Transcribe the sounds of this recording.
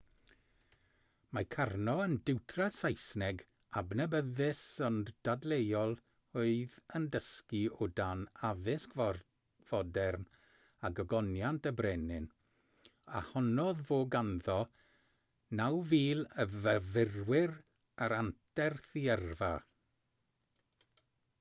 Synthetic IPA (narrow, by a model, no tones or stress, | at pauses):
makʰarnɔəndɪwtʰrasajsnɛɡ | abnəbəðɪsɔnd̥adlˠejɔlˠ | oɨðəndəskiʊdanaðɪsk | v̥ɔdɛrn | aɡəɡɔnjantəbrɛnɪn | a̰hɔnɔðvoːɡanðɔ | nawviːlˠəvəvɪrwɪr | aɾantʰɛrθiɛrva